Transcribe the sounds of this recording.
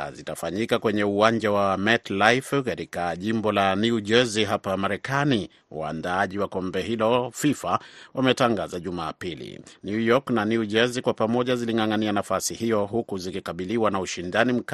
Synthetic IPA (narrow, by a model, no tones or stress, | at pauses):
zitafaɲikakwɛɲɛuwaɲd͡ʒawamɛtlajfkatikaʄimbɔlanuud͡ʒɛziɦapamaɾɛkani | ṵa̰ndaaʄiwakɔmbɛɦilɔfifawamɛtaŋɡazaʄuma̰ːpilḭnjujɔknaniud͡ʒɛzikwapamɔʄaziliŋaŋanianafasihijɔɦukuzikikaɓiliwanauʃindanim̩k